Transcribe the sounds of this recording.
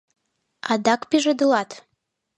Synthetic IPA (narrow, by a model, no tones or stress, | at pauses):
ɑ̰d̪ɑkpiʒəd̪əlɑt̪